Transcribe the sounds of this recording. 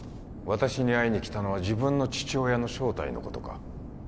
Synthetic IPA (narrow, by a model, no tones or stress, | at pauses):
βat̪aɕiɲ̟iaiɲ̟ikʲi̥t̪ano̞βad͡ʑibɯ̟̃nːo̞t͡ɕi̥t͡ɕio̞ːjano̞ɕo̞ːt̪a̰ḭno̞̰ko̞̰t̪o̞ka̰